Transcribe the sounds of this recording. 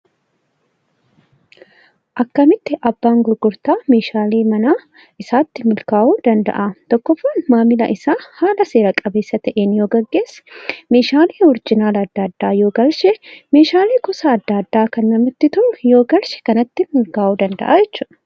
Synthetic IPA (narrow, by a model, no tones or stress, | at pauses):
ʔɐkːɐmɪt̪ːɪʔɐbːaːŋɡʊɾɡʊɾt̪aːme̞ːʃaːleːmɐnaː | ʔɪsaːt̪ːɪmɪlkaːʔuːd̪ɐnd̪ɐ̰ʔat̪ɔkːɔfːaːnmaːmɪlɐ̰ʔɪsaːhaːlɐse̞ːɾɐkʼɐbe̞ːsːɐt̪ɐʔeːnjo̞ːɡɐɡːe̞ːsːɛ̥me̞ːʃaːleːhɔɾd͡ʒɪnaːlɐːd̪ːaːd̪ːaːjo̞ːɡɐlʃɛme̞ːʃaːleːkɔsaːd̪ːaːd̪ːaːkɐnːɐmɪt̪ːɪt̪ʊʔʊjo̞ːɡɐlʃɛ̥kɐnɐt̪ːɪmɪlkaːʔuːd̪ɐnd̪ɐ̰ʔaːd͡ʒɛt͡ʃːʊːɐ